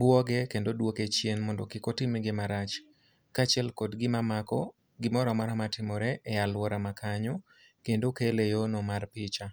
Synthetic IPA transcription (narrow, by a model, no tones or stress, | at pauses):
bwɔɡɛkendodwoket͡ʃjenmɔndɔkɪkotɪmiɡɪmaɾat͡ʃ | kat͡ʃɛlkɔdɡɪmamakɔ | ɡɪmɔɾɔmaɾamatɪmɔɾɛʔːjalwɔɾamakʰaɲɔ | kendokelejonɔmarpɪt͡ʃa